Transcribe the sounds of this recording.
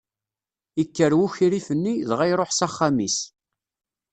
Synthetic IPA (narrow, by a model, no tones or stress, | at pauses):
ikːəɾwuçiɾifənːiðʁæjɾˤoħsaχːamis